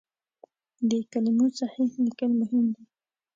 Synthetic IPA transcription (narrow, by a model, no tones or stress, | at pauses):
d̪əkalɪmosaħihlɪkəlmʊɦɪmd̪i